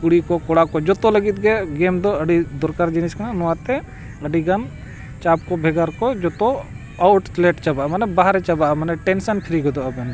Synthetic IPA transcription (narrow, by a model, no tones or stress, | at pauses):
kuɽikɔkɔɽakɔd͡ʒɔt̪ɔləɡit̪̚ɡɛɡemd̪ɔəɖid̪ɔɾkaɾd͡ʒiniskananɔwat̪ɛ | əɖiɡan | t͡ʃap̚kɔbʱɛɡəɾkɔd͡ʒɔt̪ɔ | awʈsleʈt͡ʃabaʔamɐnɛbaɦɾɛt͡ʃabaʔamɐnɛʈɛnsənpʰɪɾiɡɔd̪ɔabɛn